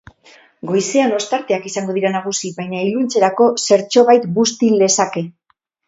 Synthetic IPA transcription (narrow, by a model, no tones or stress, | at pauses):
ɡo̞jse̞ano̞st̪aɾt̪e̞akisaŋɡo̞ðiɾanaɣ̞usiβajɲailunt͡se̞ɾako̞se̞ɾt͡ʃo̞βajt̪bust̪ile̞sake̞